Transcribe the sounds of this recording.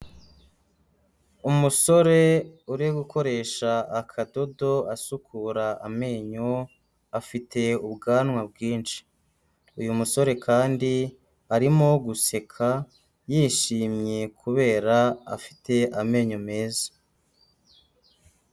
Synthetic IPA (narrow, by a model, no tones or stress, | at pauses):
umuso̞ɾe̞uɾeɡuko̞ɾe̞ːʃaːkʰado̞do̞asukʰuɾaːme̞ːɲo | afitʰe̞ubɡaːnŋwab̚ɡiːnʃi̥ | ujumuso̞ɾe̞kʰaːndi | aɾimo̞ɡuse̞kʰa | jiːʃiːmɲe̞kʰuβe̞ːɾaa̰fi̥tʰe̞ʔame̞ːɲome̞ːzḁ